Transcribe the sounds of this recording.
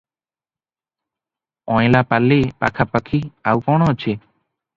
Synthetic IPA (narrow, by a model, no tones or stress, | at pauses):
ɔ̃j̃lapalepa̰kʰapəkʰiawkɔɽ̃ɔət͡ʃʰe